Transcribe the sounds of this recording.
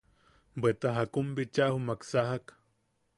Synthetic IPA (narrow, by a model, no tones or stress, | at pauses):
bet̪aɦakumbit͡ʃaʔhumaksaɦak